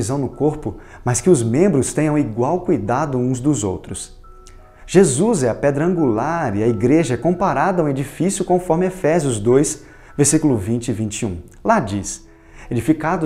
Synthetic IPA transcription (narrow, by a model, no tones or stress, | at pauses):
izɐ̃w̃nʊkoɾpʊ | mɐskɪʊzmẽmbɾʊst̪ẽɲɐ̃w̃iɡwawkujd̪ad̪ʊũzd̪ʊzo̰wt̪ɾʊs | ʒ̥ezuzɛɐpɛd̪ɾɐɐ̃ŋɡulaɾiɐiɡɾeʒɐɛkõpaɾad̪ɐuw̃ed͡ʒifisjʊkõfɔɾmɪefɛzjʊzd̪ojs | veɾsikʊlʊvĩt͡ʃɪvĩnt͡ʃiṵ̃ | lad͡ʒis | ed͡ʒifikad̪ʊ